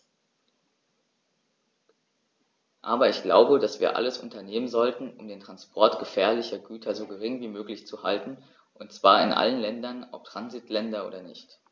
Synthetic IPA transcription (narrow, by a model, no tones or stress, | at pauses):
ʔaːbɐɪçɡ̥la̰ʊbədasv̥iːɐʔa̰ləsʔʊ̰ntɐneːmənzɔltn̩ʊmdeːntʁ̥anspʰɔɐtɡ̥əfɛːɐlɪçɐɡyːtʰɐzoːɡəʁ̞ɪŋviːmøːklɪçt͡suhaltn̩ | ʔʊntt͡sv̥aːɐɪnʔa̰lənlɛndɐnɔ̰p̚tʁ̥anzɪtʰlɛndɐʔo̰ːdɐnɪçt